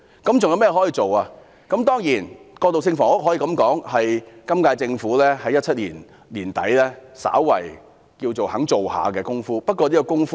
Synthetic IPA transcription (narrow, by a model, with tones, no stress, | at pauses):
kɐ˨˥mt͡sʊ˨ŋjɐ˧wmɛː˥˧ɦɔ˨˥jiː˨˧t͡so˨waː˧ | kɐ˨˥mt̪ɔː˥ŋjiː˨˩nkɔː˧t̪o˨ws̬ɪ˧ŋfɔː˨˩ŋʊ˥k̚ɦɔː˨˥jiː˨˩kɐ˨˥mkɔː˨˥ŋhɐ˨jkɐ˥mkaː˧jt͡sɪ˧ŋfuː˨˥lɛː˥hɐ˨˥jɐ˥t̚t͡sʰɐ˥t̚lḭː˨˩n | liː˨˩nt̪ɐ̰˨˥jlɛː˥sa̰ː˨˥wːɐ̰˨˩j | kiː˧wt͡so˨wɦɐ˨˥ŋt͡so˨wha̰ː˨˧kɛː˧kʊ˥ŋfuː˥pɐ˥t̚kɔː˧liː˥kɔ˧kʊ˥ŋf